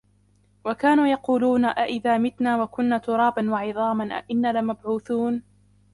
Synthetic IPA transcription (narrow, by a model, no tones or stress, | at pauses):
wakaːnuːjɑquːluːnaʔaʔɪðaːmɪt̪naːwakʊnːaːt̪ʊɾˤɑːbanwɑʕɪðˤɑːmanʔa̰ʔɪnːaːlamabʕuːθuːn